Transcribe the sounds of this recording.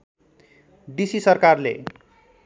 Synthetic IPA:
d̪isisʌrkarlḛ

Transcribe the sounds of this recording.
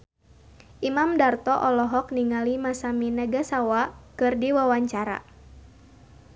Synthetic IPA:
ʔimamdart̪ɔʔɔlɔɦɔk̚niŋalimasaminəɡasawakɨrdiwawaɲt͡ʃaɾa̰

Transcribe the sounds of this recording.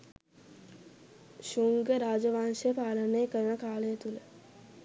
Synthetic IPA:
ʃuŋɡəɾaːd͡ʒɐʋaːnʃəpaːlənəekəɾəɳəkaːɭəjət̪ulə

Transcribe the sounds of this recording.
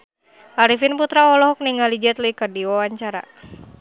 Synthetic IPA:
ʔaɾifinput̪ɾaɔlɔɦɔk̚niŋalid͡ʒɛt̪luikərdiwawaɲt͡ʃaɾa̰

